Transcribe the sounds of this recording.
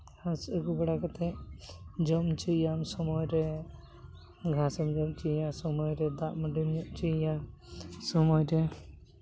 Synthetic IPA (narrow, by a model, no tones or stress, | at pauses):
ɡʰʱaseɡubɛɽakət̪ʰɛ | d͡ʒɔmt͡ʃijamsɔmɔjɾɛ | ɡʱasɔmd͡ʒɔmt͡ʃijasɔmɔjɾɛd̪aʔməɖinjɔʔt͡ʃija | sɔmɔjɾɛ